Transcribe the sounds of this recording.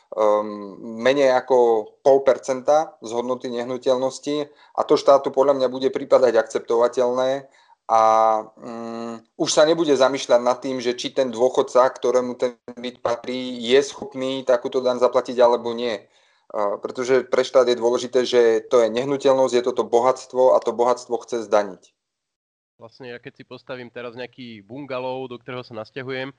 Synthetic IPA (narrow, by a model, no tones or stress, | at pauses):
mɛɲɛjakɔpɔlˠpɛɾt͡sɛnt̪azɦɔd̪nɔt̪iɲɛɦnucɛlnɔsci | ʔa̰t̪ɔʃt̪aːt̪upɔd̪lʎamɲabuɟɛpɾipad̪aɟakt͡sɛp̚t̪ɔʋacɛlnɛː | ʔa | uʃsaɲɛbuɟɛzamiːʃʎaɟnat̪ːiːmʒɛt͡ʃit̪ɛnd̪ʊɔxɔt̪sakt̪ɔɾɛːmut̪ɛnbicpat̪ɾiːjɛsxɔpniːt̪akuːt̪ɔd̪aɲzaplaciɟalɛbɔɲɪɛ | pɾɛt̪ɔʒɛpɾɛʃt̪aːd̪jɛd̪ʊɔlɛʒit̪ɛːʒɛt̪ɔjɛɲɛɦnucɛlnɔzɟjɛt̪ɔt̪ɔbɔɦat͡st̪ʋɔa̰t̪ɔbɔɦat̪t͡st̪ʋɔxt͡sɛzd̪aɲic | ʋlasɲɛjakɛcsipɔst̪aʋiːmt̪ɛɾazɲɛakiːbuŋɡalɔʊd̪ɔk̚t̪ɔɾɛːɦɔsanascaɦujɛm